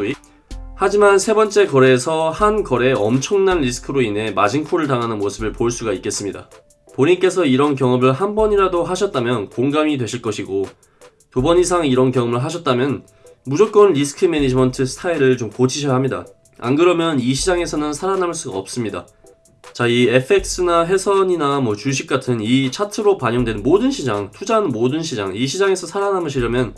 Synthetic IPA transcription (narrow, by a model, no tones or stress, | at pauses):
had͡ʑimansʰe̞bʌnt͡ɕ͈e̞kʌɾe̞ːsʰʌhankʌɾe̞ʌmt͡ɕʰʌŋnanɾisʰɯ̥kʰɯɾoinɦe̞mad͡ʑiŋpʰoɾɯɭtaŋɦanɯnmosʰɯbɯɭpoɭs͈uɡaik͈e̞s͈ɯmɲida̰ | poɲink͈e̞sʰʌiɾʌnk̬jʌŋʌbɯɭɦambʌɲiɾadoɦaɕʰʌt̚t͈amjʌnkoŋɡamidwe̞ɕʰiɭk͈ʌɕʰiɡo | tubʌɲisʰaŋiɾʌnkjʌŋʌmɯɭɦaɕʰʌt̚t͈amjʌn | mud͡ʑok͈̚ʌnɾisʰɯ̥kʰɯme̞nid͡ʑimʌntʰɯsʰɯ̥tʰaiɾɯɭt͡ɕomkot͡ɕʰiɕʰʌjaɦamɲida̰ | a̰nɡɯɾʌmjʌniɕʰid͡ʑaŋe̞sʰʌnɯnsʰaɾanaɭs͈uɡaʌp̚s͈ɯmɲida̰ | t͡ɕaie̞pʰe̞k̚s͈ɯnaɦe̞sʰʌɲinamwʌt͡ɕuɕ̬ʰik̚k͈atʰɯnit͡ɕʰatʰɯɾopaɲoŋdwe̞nnmodɯnɕʰid͡ʑaŋtʰud͡ʑannmodɯnɕʰid͡ʑa̰ŋiɕʰid͡ʑaŋe̞sʰʌsʰaɾanamɯɕʰiɾʌmjʌn